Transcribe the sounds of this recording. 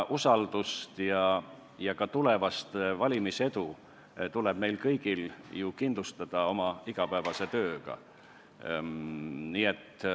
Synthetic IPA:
ʔusɑld̪̥ust̪jɑ | jɑkɑt̪ule̞vɑst̪vɑlʲimise̞d̪̥u | t̪ule̞b̥me̞jlkɤjɡ̥iljukind̪lust̪ɑd̪̥ɑo̞mɑiɡ̥ɑpæevɑse̞t̪øːɡ̥ɑ̰ | niːe̞t̪ː

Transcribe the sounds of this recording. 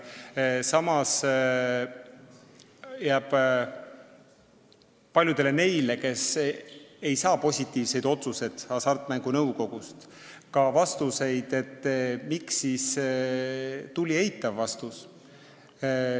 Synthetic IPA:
sɑmɑs | jæːb̥ | pːɑlʲjud̪̥e̞le̞ne̞jle̞ke̞s | e̞jsɑːpo̞sʲit̪ːˑiːvse̞jd̪o̞t̪suse̞d̪̥ɑsɑrt̪mæŋɡ̥unɤwko̞ɡ̥ust̪ | kɑvɑst̪use̞jd̪̥e̞t̪ːˑmiksːis | t̪ulʲie̞jit̪ːˑɑvːɑst̪us

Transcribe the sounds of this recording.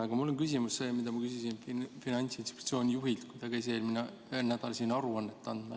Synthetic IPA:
ɑɡ̥ɑmulːonkys̬ʲimusse̞ːmid̪̥ɑmɑkysisinfinɑnʲt̪sinst̪i̥pt̪sio̞ːnʲijuɦilt̪kujd̪̥ɑkejs̬eːlmine | eːlnæd̪ɑlsiːnɑɾuɑnːet̪ːˑɑnd̪̥mɑ

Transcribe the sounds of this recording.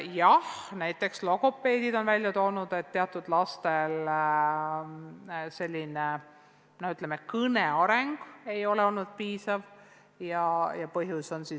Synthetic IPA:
jɑhnæjt̪ːˑe̞kslo̞ko̞pːˑe̞ːd̪̥id̪o̞nvælʲjɑt̪o̞ːnud̪̥e̞t̪ːe̞ɑt̪ˑːud̪̥lɑst̪e̞l | se̞lʲːine | nohyt̪lemekɤne̞ɑɾe̞ŋɡ̥e̞jo̞leo̞lnud̪̥̚piːsɑv | jɑjɑpɤɦjuso̞nsi

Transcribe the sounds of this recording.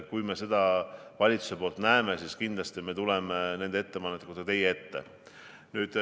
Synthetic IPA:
kujme̞se̞d̪̥ɑ | vɑlʲit̪su̥se̞po̞ːlt̪næeme̞siskind̪̥lɑst̪ime̞t̪ulemene̞nd̪̥ee̞t̪ːe̞pɑnːet̪ːˑekut̪kɑt̪e̞jee̞t̪ːe̞̰ | nyːd̪̥

